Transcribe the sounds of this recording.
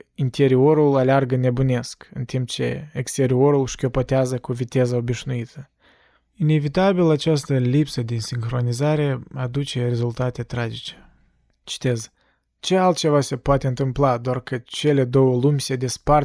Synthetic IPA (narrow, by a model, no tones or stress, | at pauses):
int̪e̞ɾio̞ɾulalearɡəne̞bune̞skɨnt̪imp̚t͡ʃe̞̰ekst̪e̞ɾio̞ɾulʃkʲo̞po̞t̪eazəkuvit̪e̞zəobiʃnuit̪ʰə | ine̞vit̪abilat͡ʃast̪əlipsəd̪insiŋxɾo̞nizaɾe̞ad̪ut͡ʃe̞re̞zult̪at̪e̞t̪ɾad͡ʒit͡ʃe | t͡ʃi̥t̪e̞z | t͡ʃe̞alt̪̚t͡ʃe̞vase̞poat̪e̞ɨnt̪ɨmplad̪oarkət͡ʃe̞le̞d̪o̞wəlumʲsed̪espar